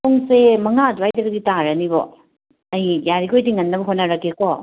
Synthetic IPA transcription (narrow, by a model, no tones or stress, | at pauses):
toŋsemɐŋaduwajdɐɡɐɡitaɾɐnibɔ̰ | ɐjjaɾikojtiŋɐnːɐbɐɦonːɐɾɐkekɔ